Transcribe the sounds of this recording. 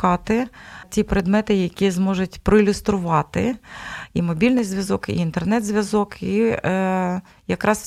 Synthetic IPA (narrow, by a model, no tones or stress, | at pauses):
ɑt̪ɪtʲipɾed̪mɛt̪ɪjɐkʲizmɔʒʊtʲpɾɔilʲʊst̪ɾʊʋɑt̪ɪ̰ | imɔbʲilʲnɪjzʋʲjɐzɔkḭːnt̪ernɛd̪zʲʋʲjɐzɔki | jɐkɾɑs